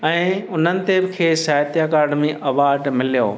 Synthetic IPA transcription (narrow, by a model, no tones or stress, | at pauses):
ɛ̃ːʊn̤ənɪ̆t̪ebɪ̆kʰeːsaːjt̪ijakaːɾɖmẽʔɐʋaːɾɖmɪlijo̰ː